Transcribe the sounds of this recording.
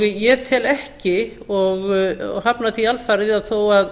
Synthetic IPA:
jɛt̪ʰɪlɛhcɪ | ɔɣhapnaθialfaɾɪðaθowað

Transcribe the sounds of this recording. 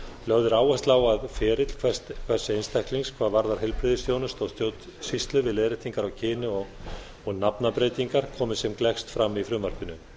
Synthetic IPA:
lœɣðʏɾaːwast̪laːwaðfɛːɾɪt̪l̥kʰv̥ɛst̪kʰvɛr̥sːɪejnst̪ajhkliŋskʰvaːðvaɾðaɾ̥ɦɛlpɾɪðɪsθjoːwnʏst̪ɔɣst̪joːwt̪ | sist̪lʏvɪleːðɾɪht̪iŋkaɾawcʰɪːnʏɔɣ | ɔɣnapnapɾeːjt̪iŋkaɾ̥kʰɔːmɪ̥sɛmklɛxst̪fɾamːifɾʏːmaɾ̥kʏnʏ

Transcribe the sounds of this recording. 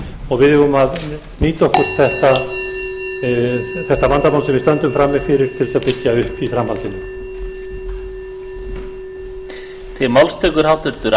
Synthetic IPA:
ɔɣvɪðɛvʏmað | niːt̪ɔhkʏɾ̥θɛht̪a | θɛht̪amant̪amawlsɛmvɪst̪œnt̪ʏmfɾamːɪfɪɾɪɾ̥t̪ʰɪlsaðpɪcːaʏhpifɾamhalt̪ɪnʏ | t̪ʰɪlmawlst̪ʰɛkʏɾ̥hawt̪ʏɾt̪ʏɾ

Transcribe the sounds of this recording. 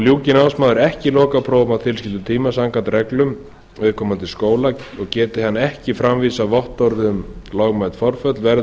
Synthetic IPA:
ljuːcɪnawsmaːðʏɾɛhcɪlɔːkapʰɾoːwmaðt̪ʰɪlscɪlʏt̪ʰiːmasaŋkant̪rɛklʏm | ʏːðkʰɔːmant̪ʰɪlskoːwlaɔɣcɛːt̪ɪhanːɛhcɪfɾamviːsavɔht̪ɔɾðmlɔɣmajt̪fɔɾ̥fœt̪lvɛɾ

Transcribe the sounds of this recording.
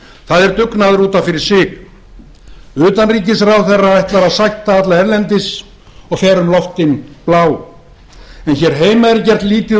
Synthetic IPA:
θaðɛɾt̪ʏknaðʏɾuːt̪anfɪɾɪɾ̥sɪːɣ | ʏːt̪anriːcɪsrawθɛrːaajht̪laɾaðsajht̪aat̪laɛɾlɛnt̪ɪs | ɔɣfɛːɾʏmlɔft̪ɪnplaːw | ɛnçɛɾ̥ɦeːjmaɛɾcɛr̥t̪liːt̪ɪ

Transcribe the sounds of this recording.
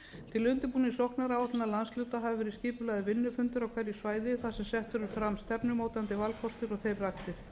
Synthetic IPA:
t̪ʰɪlʏnt̪ɪpuːnisɔhknaɾawat̪ɪnalanslʏːwt̪aɦavɪvɛːɾɪ̥sciːpʏlaɣðɪvɪnːʏfʏnt̪ʏɾawkʰvɛɾjisvaːjðɪθasɛmsɛht̪vʏɾʏɾfɾamst̪ɛpnʏmoːwt̪ant̪ɪvalkʰɔst̪ɪɾɔɣθejrːakt̪ɪɾ̥

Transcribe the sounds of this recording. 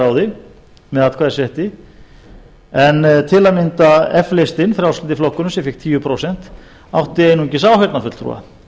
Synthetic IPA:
aːwðɪ | mɛðaðt̪kʰvaːðɪɾsjɛht̪ɪ | ɛnːt̪ʰɪlamɪnt̪aɛflejst̪ɪnfɾjawslɪnt̪ɪflɔhkːʏnʏmsjɛfɪk̚t̪ʰiːjʏpʰɾoːwsɛn̥t̪ | a̰wht̪ɪeːjnuɲcɪsaːwhɛt̪nafʏt̪l̥t̪ʰɾṵːa̰

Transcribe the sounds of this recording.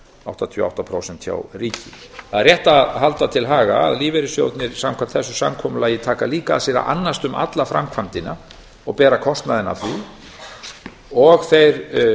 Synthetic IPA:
awht̪at̪ʰvœːa̰wht̪apʰɾoːwsɛnt̪ça̰wriːcɪ | θaðrjɛht̪aɦalt̪at̪ʰɪlɦaːɣa̰a̰ðliːvɛɾɪsjo̰wt̪nɪɾ̥samkʰvam̥t̪θɛsːʏ̥samkʰɔmʏlajɪt̪ʰaːkaliːka̰ːðsɛɾa̰ʔa̰nːast̪ʏmʔa̰t̪lafɾamkʰvant̪ɪna | ɔɣpɛːɾakʰɔst̪naðɪna̰θi | ɔɣθejɾ

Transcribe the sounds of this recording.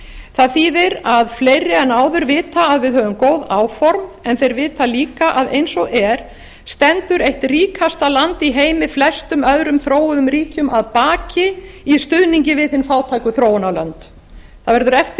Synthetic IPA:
θaðθiːðɪɾaðfleːjɾːɪɛnaːwðʏɾvɪːt̪aːðvɪðɦœːvʏmkoːwðaːwfɔɾmɛnθejɾvɪːt̪aliːkaʔaðejnsɔʔɛɾ̥ | st̪ɛnt̪ʏɾejht̪riːkʰast̪alant̪iɦeːjmɪflɛst̪ʏmœðɾʏmθɾoːwʏðʏmɾiːcʏmaðpaːcɪist̪ʏðniɲcɪvɪðθhɪnfaːwt̪ʰajkʏθɾoːwʏnalœnt̪ | θaðvɛɾðʏɾɛft̪ɪ

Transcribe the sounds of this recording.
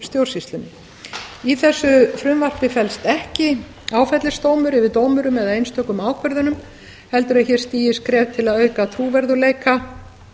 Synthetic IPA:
st̪jowɾ̥rsist̪lʏnɪ | iθɛsːʏfɾʏmvar̥pɪfɛlst̪ɛhcɪ | aːwfɛt̪lɪst̪oːwmʏɾɪvɪðt̪oːwmʏɾʏmɛðaejnst̪ʰœhkːʏmaːwkʰvœɾðʏnʏm | hɛlt̪ʏɾaðçɛɾ̥st̪iːjɪskɾɛːvt̪ʰɪlaðœːɥkat̪ʰɾuːvɛɾðʏleːjka

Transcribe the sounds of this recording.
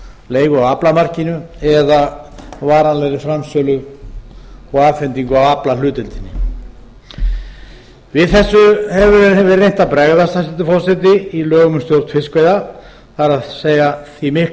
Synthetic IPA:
leːjɣʏawaplamar̥cɪnʏɛðavaːɾanlɛɣɾɪfɾamsœlʏ | ɔaːfɪnt̪iŋkʏawaplalʏːt̪ɪlt̪ɪnːɪ̰ | vɪðθɛsːʏhɛvʏvɛɾrːejn̥t̪apɾɛɣðast̪asɛnt̪ʏfɔrsɛt̪ɪilœːɣʏmʏst̪jowɾ̥t̪fɪskveːjða | θaɾaðseːjaθimɪh

